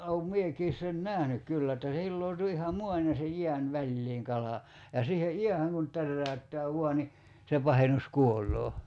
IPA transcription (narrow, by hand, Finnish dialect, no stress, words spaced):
oum miekiːs sen næhnyk kylːæ etːæ se hilːoo̝tu ihɑ muɑn jɑ se jiæn ʋælʲliːŋ kɑlɑ jɑ siːhe jiæhæŋ kun tærːæy̞tːæː ʋuɑ ni se pɑhenus kuolˑoː